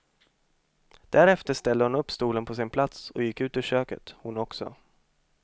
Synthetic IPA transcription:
d̪̥æɾɛft̪əʂt̪ɛld̪əhʊnɵpːst̪uːlənpʰɔsɪnpʰlat̪sɔjɪkːʉ̟ːt̪ɪʂøːkə̰t̪hʊnɔksɔ̰

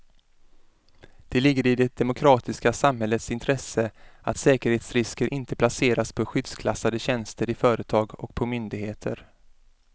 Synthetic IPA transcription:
d̪̥ɛlɪɡːəɾɪd̪ɛd̪ɛmʊkʰɾɑːt̪ɪskasamɦɛlːət̪sɪnt̪ʰɾɛsəat̪sɛːkəɾheːt̪sɾɪskəɾʔɪnt̪əpʰlaseːɾaspʰɔɧʏd̪skʰlasad̪əɕɛnst̪əɾɪfœːɾət̪ʰɑːɡɔ̰k̚pʰɔmʏnd̪ɪɡheːt̪ʰə̰ɾ

